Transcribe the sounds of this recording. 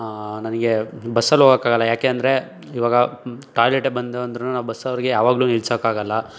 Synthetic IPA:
nɐnɐɡe̞bɐsːɐlːuɦoɡokaːɡɐlːɐjaːkeːɐnd̪ɐɾe̞ | iːʋaːɡɐʈaːjleʈːebɐnd̪ʋɐnd̪ɾunːunaːʋubɐsːɐʋɐɾiɡe̞jaːʋaːɡluːniɭsɐkaːɡɐlːɐ

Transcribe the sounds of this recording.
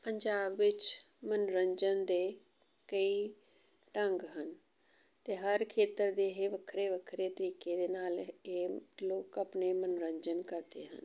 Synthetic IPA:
pəɲd͡ʒaːbːɪt͡ʃ | mənɾəɲd͡ʒənd̪eː | kəiː | ʈəŋɡɦən | t̪eːɦəɾkʰeːt̪əɾd̪eːɦeːʋəkʰɾeːʋəkʰɾeːt̪əɾiːkeːd̪eːnaːleːloːkəpneːmənɾəɲd͡ʒənkəɾt̪ḛːɦə̰n

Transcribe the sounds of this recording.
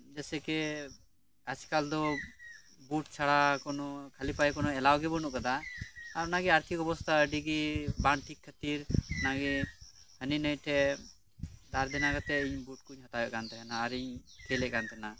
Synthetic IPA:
d͡ʒɛsɛkɛ | askald̪ɔ | buʈt͡ʃʰaɽakɔnɔkʰalipajkɔnɔɛlawɡɛbɔnuʔkad̪aaɾɔnaɡɛaɾt̪ʰikɔbɔst̪ʰaəɖiɡibaɳʈʰikʰːət̪iɾɔnaɡɛ | həninəjʈʰɛ | d̪aɾd̪ɛnakat̪ɛiɲbuʈ̚kuɲɦɔt̪ajɔʔkant̪ɛɛnaːɾiɲkʰɛlɛkant̪ɛna

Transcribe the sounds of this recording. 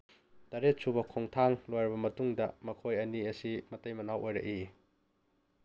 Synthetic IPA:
taɾet̚subɐkʰoŋtʰaŋlojɾɐbɐmɐtuŋdɐmɐkʰojɐniɐsimɐtɐjmɐnawʔojɾɐ̰ʔi

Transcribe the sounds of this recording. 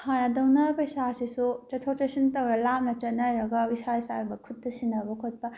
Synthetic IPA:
hanɐdɐwnɐpɐisasisut͡ʃɐtʰot͡ʃɐsintɐwɾɐlap̚nɐt͡ʃɐt̚nɐɾɐɡɐwisaisaɾbɐkʰut̚dɐsinɐbɐkʰot̚pɐ

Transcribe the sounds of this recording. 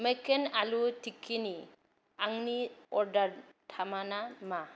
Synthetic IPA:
mɛkenalutʰikʰːini | aŋniɔɾdaɾtʰamanama

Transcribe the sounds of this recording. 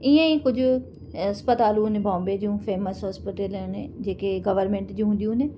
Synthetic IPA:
ɪjãːĩːkʊd͡ʒ | əspət̪aːlunẽːbãːmbeːd͡ʒiũːpʰeːməsɦɔːspəʈelneːd͡ʒeːkeɡəʋəɾmẽɳʈd͡ʒĩːɦʊ̃nd̪iũːneː

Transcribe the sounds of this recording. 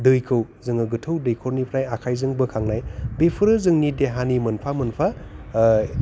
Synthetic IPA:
dɯjkʰɯwzɯŋɯɡɯtʰɯwdɯjkʰoɾnipʰɾajakʰajzɯŋbɯkʰaŋnajbepʰɯɾɯzɯŋnideɦanimɐnpʰamɐnpʰa

